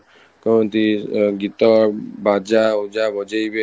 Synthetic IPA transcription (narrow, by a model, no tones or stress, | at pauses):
kaɔnt̪iɡit̪ɔbad͡ʒaud͡ʒabɔd͡ʒajbe